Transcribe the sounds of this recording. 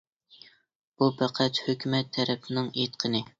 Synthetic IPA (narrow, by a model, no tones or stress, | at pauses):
b̥upʰæqʰɛt̪høkʲymɛt̪ʰːɛɾɛpʰnɨŋet̪qʰənɨ